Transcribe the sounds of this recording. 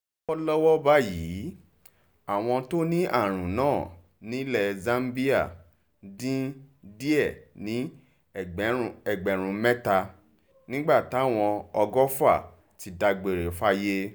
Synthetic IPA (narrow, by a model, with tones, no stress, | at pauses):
ɔ˦lɔ˦wɔ˦ba˦jiː˨˦ | a˨w̃ɔ̃˧to˦nĩ˦ʔa̰˦˨ɾ̃ũ˨nãː˦˨ | nĩ˨˦lɛ˨zã˦m˦bi˦a˦˨ | dĩ˦di˦ɛ˦˨nĩ˨˦˨ | ɛ˨ɡ͡bɛ˨ɾ̃ũ˨˧mɛ˦ta˧ | nĩ˦ɡ͡ba˦˨ta˦˨w̃ɔ̃˧ɔ˧ɡɔ˦fa˦˨ | ti˨˧da˧ɡ͡be˨ɾe˨fa˦je˦